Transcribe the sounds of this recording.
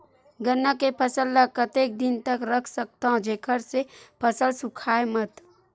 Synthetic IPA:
ɡənːəkepʰəsəlːakət̪eːk̚d̪ɪnt̪əkɾəkʰsək̚t̪aɦõd͡ʒeːkʰəɾsepʰəsəlsʊkʰaːemɐt̪

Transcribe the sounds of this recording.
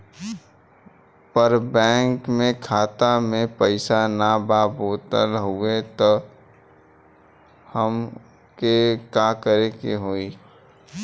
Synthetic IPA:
pəɾbɛ̃ːŋkmẽkʰaːt̪amẽpəɪsanabaːboːt̪əlɦuet̪o | həm | kekakəɾekeɦoːi

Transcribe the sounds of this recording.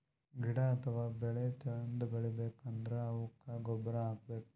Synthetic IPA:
ɡʱiɽɐɐt̪ʰɐʋaːbɛɭet͡ʃɐɭɐnd̪ubɐɭibeːkɐnd̪ɐɾeɐʋukːaɡɔbɐɾɐaːɡ̚beːku

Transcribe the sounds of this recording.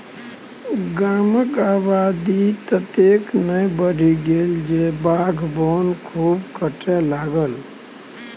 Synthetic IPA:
ɡaːməkaːbad̪it̪ət̪eknəjbəɽʱiɡeld͡ʒebaɡʱbonkʰuːbkəʈʰelaɡəl

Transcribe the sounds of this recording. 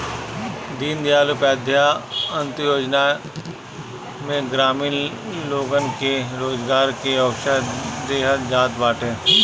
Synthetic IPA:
d̪iːnd̪ɪjaːlʊpɛːd̪ʱjaə̃nt̪joːd͡ʒna | mẽɡɾaːmiːn | loːɡənkeɾoːzɡaːɾkeɐwʃəd̪eːɦəɾd͡ʒaːt̪baːʈẽː

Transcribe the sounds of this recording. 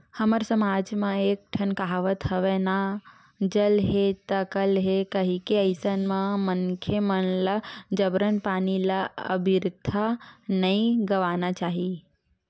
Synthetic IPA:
həməɾsəmad͡ʒmãeːk̚ʈʰənkaɦʋət̪ɦəʋena | d͡ʒəlɦet̪əkəlɦekəɦikeəɪsənmãməŋkʰjemənlad͡ʒəbɾənpaːnilaə̰bʱiɾd̪ʱanəĩɡəʋaːnat͡ʃaːɦi

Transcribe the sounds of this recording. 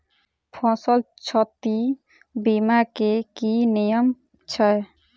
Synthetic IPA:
pʰɔ̃səlt͡ʃʰɔt̪i | bimakekinijəm | t͡ʃʰəj

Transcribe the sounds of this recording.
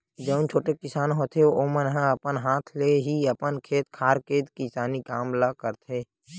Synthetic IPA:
d͡ʒəʊnt͡ʃʰoːʈekɪsaːnɦoːt̪ʰeooːmənɦãɐpənɦaːt̪ʰleɦiəpənkʰeːt̪kʰaːɾkeːd̪kɪsaːnikaːmlakəɾt̪ʰeː

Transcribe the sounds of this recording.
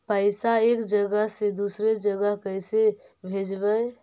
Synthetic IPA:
pəɪsaekd͡ʒəɡəɦsed̪usɾed͡ʒəɡəɦkəɪse | bʱed͡ʒbəj

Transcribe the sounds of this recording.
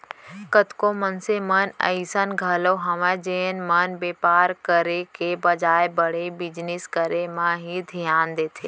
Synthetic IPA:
kət̪komənsemənə̰̃isənɡʱaːloɦɐʋãd͡ʒeːnmənbeːpaːɾkəɾekebəd͡ʒaːjbəɽebɪd͡ʒniskəɾemãɦid̪ʱijaːnd̪eːt̪ʰḛː

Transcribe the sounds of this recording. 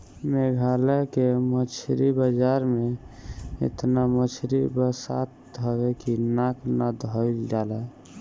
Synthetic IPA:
meɡʱalɛkemət͡ʃʰɾibəd͡ʒaɾme | ḛt̪namət͡ʃʰɾibəsa̰t̪̚ɔɡekinaknad̪ʱɔjld͡ʒalɛ

